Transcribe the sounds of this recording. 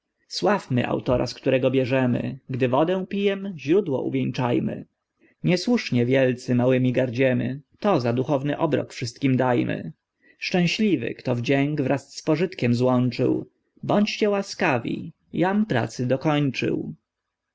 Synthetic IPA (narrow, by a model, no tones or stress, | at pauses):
swafmɘ̰ʔa̰wt̪ɔɾa̰skt̪uɾɛɡɔbʲjɛʐɛmɘ̰ɡd̪ɘvɔd̪ɛ̃pʲijɛmʑɾud̪wɔ̰ʔṵvʲjɛŋt͡ʂajmɘ̰ | ɲɛswuʂɲɛvʲjɛlt̪sɘmawɘmʲiɡaɾd͡ʑɛmɘ̰t̪ɔzad̪uxɔvnɘʔɔbɾɔ̰kfʂɘst̪̚kʲimd̪ajmɘ̰ | ʂt͡ʂɛ̃w̃ɕlʲivɘ̰kt̪ɔvd͡ʑɛŋɡvɾasːpɔʐɘt̪kʲɛmzwɔnt͡ʂɘ̰w | bɔɲt͡ɕt͡ɕɛwaskavʲḭ | jampɾa̰t̪sɘd̪ɔkɔɲt͡ʂɘ̰w